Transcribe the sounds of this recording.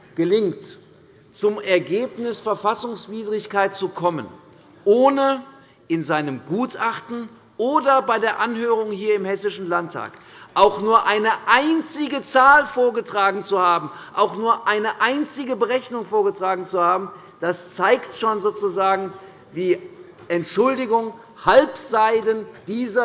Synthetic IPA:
ɡ̥əlɪŋt | t͡sʊmɛɐɡeːpnɪsfɛɐfasʊŋsv̥iːdʁɪçkaɪt̚t͡sukʰɔmə̰n | ʔoːnə | ʔɪnzaɪnəmɡuːtʔaχtn̩ | ʔoːdɐbaɪdeːɐʔanɦøːʁ̞ʊŋhiːɐɪmhɛsɪʃn̩lantʰːa̰ːk | ʔaʊxnuːɐʔaɪnəʔaɪnt͡sɪɡət͡saːlfoːɐɡətʁ̥aːɡŋ̩t͡suhaːbm̩ʔaʊxnuːɐʔaɪnəʔaɪnt͡sɪɡəbəʁɛçnʊŋfoːɐɡətʁ̥aːɡŋ̩t͡suhaːbm̩ | d̥ast͡saɪktʃoːnzoːt͡suzaːɡŋ̩ | viː | ʔɛntʃʊldɪɡʊŋ | halpz̥aɪdənd̥iːzɐ

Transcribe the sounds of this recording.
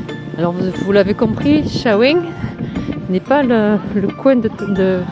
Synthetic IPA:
alɔʁvvulavekɔ̃pχiʃawɛŋ | nɛpalələkwɛ̃d̪əd̪ə

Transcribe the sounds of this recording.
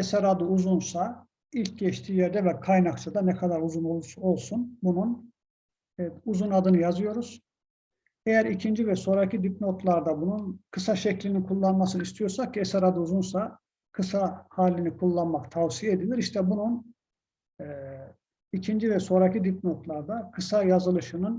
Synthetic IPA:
esæɾad̪ɯuzunsa | ilʲcɟɛʃt̪ʰiːjæɾd̪ɛvɛkʰajnakt͡ʃʰad̪anɛkʰad̪aɾuzunolˠo̞lˠsunbunun | uzunad̪ɯnɯjazɯjo̞ɾuz̥ | e̞jæɾicʰind͡ʒivɛso̞ːɾacʰid̪ip̚no̞t̪lˠaɾd̪abununkʰɯsaʃɛclʲininkʰulˠːanmasɯnist̪ʰijo̞ɾsakcʰiesæɾad̪ɯuzunsa | kʰɯsahaːlʲːinikʰulˠːanmakt̪ʰavsijeed̪ilʲiɾiʃt̪ʰɛbunun | ɛː | icʰind͡ʒivɛso̞ːɾacʰid̪ip̚no̞t̪ʰlˠaɾd̪akʰɯsajazɯlˠɯʃɯnɯn

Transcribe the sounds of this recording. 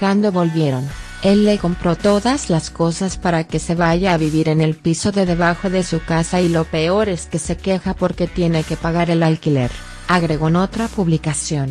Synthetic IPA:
and̪oβo̞lβje̞ɾo̞n | e̞lːe̞ko̞mpɾo̞t̪o̞ðazlasko̞saspaɾake̞se̞βaʝaβiβiɾe̞ne̞lpiso̞ðe̞ðe̞βaxo̞ðe̞sukasailo̞pe̞o̞ɾe̞ske̞se̞ke̞xapo̞ɾke̞t̪je̞ne̞ke̞paɣaɾe̞lalkile̞̰ɾ | aɣɾe̞ɣo̞eno̞t̪ɾapuβlikasjo̞n

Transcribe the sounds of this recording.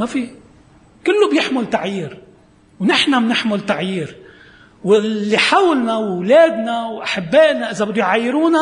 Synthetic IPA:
mafi | kɪlːʊbjɪħmʊlt̪aʕjiːɾ | wnɪħnamnɪħmʊlt̪aʕjiːɾ | wɪlːiħawlnawːleːd̪nawʔaħabːeːʔnaʔɪzabɪd̪ːʊjʕajːɪɾuːna

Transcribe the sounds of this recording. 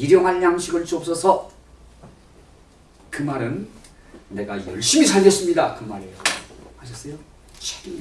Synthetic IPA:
iɾjʌŋɦanjaŋɕʰiɡɯɭt͡ɕ͈op̚s͈ʌsʰʌ | kɯmaɾɯnː | e̞ɡajʌɭɕ͈imisʰaɭɡʌs͈ɯmɲidakɯmaɾeaɕ̬ʰʌs͈ʌjo | t͡ɕʰe̥ɡi

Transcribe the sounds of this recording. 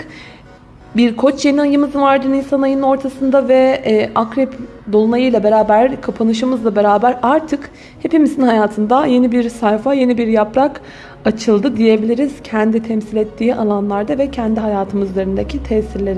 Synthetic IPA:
biɾkʰo̞t͡ʃje̞niajɯmɯzɯnvaɾd̪ɯninsanajɯno̞ɾt̪ʰasɯnd̪avɛakɾɛp | d̪o̞lˠunajɯjlˠabe̞ɾaːbæɾkʰapʰanɯʃ̬ɯmɯzlˠabe̞ɾaːbæɾaɾt̪ʰɯk | he̞pimizinhajaːt̪ʰɯnd̪aje̞nibiɾsajfaje̞nibiɾjapɾak | at͡ʃʰɯlˠd̪ɯd̪ije̞bilʲiɾiz̥cʰɛnd̪it̪ʰɛmsilʲɛt̪ʰːiːʔalˠanlˠaɾd̪avɛcʰɛnd̪iɦajaːt̪ʰɯmɯyzyzʲe̞ɾind̪ecʰit̪ʰɛːsiɾlʲe̞ɾi

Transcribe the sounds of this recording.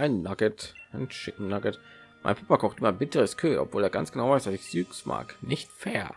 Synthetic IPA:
ʔaɪnːaɡətʔaɪnʃɪtn̩naɡət | mʔa̰ɪnpʰapakʰɔxtʔɪmɐbɪtəʁəskʰøːʔɔ̰pv̥oːleːɐɡ̥a̰nsɡ̥ənaʊvaɪsv̥asɪçz̥yːksma̰ːknɪçtfɛːɐ

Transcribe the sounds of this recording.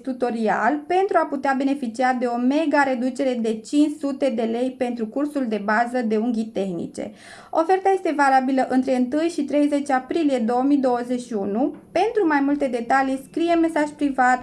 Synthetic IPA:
t̪ut̪o̞ɾia̰lpe̞nt̪ɾuaput̪eabe̞ne̞fit͡ʃiad̪e̞o̞me̞ɡaɾe̞d̪ut͡ʃe̞ɾe̞d̪e̞t͡ʃint͡ʃsut̪e̞d̪e̞le̞jpe̞nt̪ɾukursuld̪e̞bazəd̪e̞uŋɡʲit̪e̞xnḭt͡ʃe̞̰ | o̞fe̞rt̪aje̞st̪e̞valabiləʔɨnt̪ɾe̞ɨnt̪ɨjʃit̪ɾe̞jze̞t͡ʃapɾilije̞d̪o̞wəmid̪o̞wəze̞ʃiunupe̞nt̪ɾumajmult̪e̞d̪e̞t̪alijskɾije̞me̞saʒpɾivat̪

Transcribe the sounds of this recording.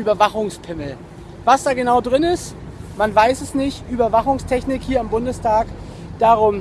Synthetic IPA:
yːbɐvaχʊŋspʰɪml̩ | vasd̥aːɡənaʊdʁɪnɪst | manvaɪsɛsnɪçtʔyːbɐvaχʊŋstʰɛçnɪkhiːɐambʊndəstʰaːk | d̥aʁʊm

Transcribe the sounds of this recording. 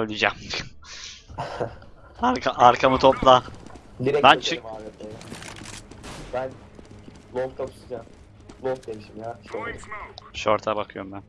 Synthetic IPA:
ølʲid͡ʒam | aɾkʰaʔaɾkʰamɯt̪ʰoplˠa | d̪iɾɛbænet͡ʃʰɯimaːbɛt̪eɛ | bæn | lˠoft̪ʰak̪ʰu̥sd͡ʒam | lˠofd̪emiʃimjaːʃoɾ | ʃoɾt̪ʰabakʰɯjoɾmbæn

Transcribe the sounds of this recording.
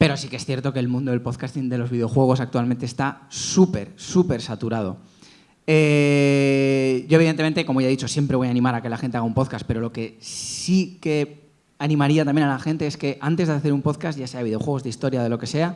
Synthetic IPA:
pe̞ɾo̞sikee̞sθjeɾt̪o̞ke̞ːlmũnd̪o̞ðelpo̞ðkast̪ind̪e̞lo̞zβiðeo̞xwe̞ɣ̞o̞sakt̪ualm̃nt̪est̪asupe̞̰ɾsupe̞ɾsat̪uɾað̞o̞̰ | e | ɟ͡ʝoe̞β̞iðent̪eent̪e̞ko̞mo̞ʝaðit͡ʃo̞sje̞mpɾe̞βo̞janĩmaɾakelaxe̞nt̪eaɣaumpo̞ðkaspe̞ɾo̞lo̞ke̞ssike̞ | anĩmaɾiat̪amjenalaxe̞nt̪e̞eske̞ʔant̪e̞zðeaθe̞ɾumpo̞ðkasʝaseaβiðeo̞xwe̞ɣ̞o̞zðeist̪o̞ɾjað̞e̞lo̞ke̞se̞a

